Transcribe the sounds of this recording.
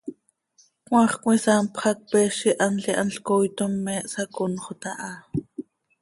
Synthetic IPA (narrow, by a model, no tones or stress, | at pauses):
kw̃ɑːχkwisaːmpχɑk̚pɛːʃiʔɑnɬiʔa̰nɬkojt̪omːɛʔsakonχot̪aʔa